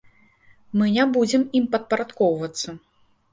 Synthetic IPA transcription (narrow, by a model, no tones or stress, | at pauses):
mɨnʲabud͡zʲɛmimpɐt̪̚pɐɾat̪kɔwvɐt̪sːɐ